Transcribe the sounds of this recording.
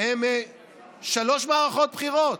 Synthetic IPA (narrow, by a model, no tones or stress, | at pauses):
eme | ʃalo̞ʃmaːʁaχo̞t̪̚bχiʁot̪